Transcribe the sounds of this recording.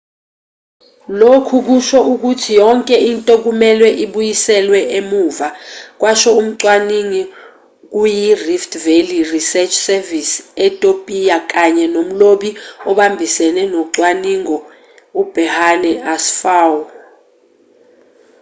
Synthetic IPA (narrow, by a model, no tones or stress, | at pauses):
lokʰuk̬uʃɔʔuk̬utʰijɔŋkʼɛintʼok̬umɛlwɛʔiɓujisɛlwɛʔemuːvak̬wʔaʃɔum̩ǀwaniŋi | k̬ujiriftʰʼvelirisɛt͡ʃʰsɛvisɛtʼopʼijak̬ʼaɲɛnom̩loɓiɔɓambʱisɛnɛnɔǀwaniŋɔ | ub̥ʱɛhanɛasfaw